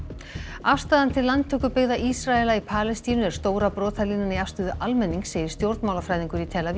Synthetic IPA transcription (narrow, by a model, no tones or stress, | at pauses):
afst̪aːðant̪ʰɪlːant̪ʰœːkʏpɪɣðaʔisɾaɛlaipʰaːlɛst̪iːnʏɛɾ̥st̪oːwɾapɾɔːt̪ʰaliːnaniafst̪ʏðʏʔalmɛnːiŋkseːjðɪ̥ɾ̥st̪jowɾt̪maːwlafɾajðiŋkʏɾit̪ʰɛːlavi